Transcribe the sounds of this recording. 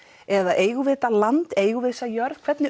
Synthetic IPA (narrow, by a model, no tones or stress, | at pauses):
ɛðaʔeːjɣʏvɪːt̪alant̪eːjɣʏvɪðsajœɾð̥kʰv̥ɛt̪nɪ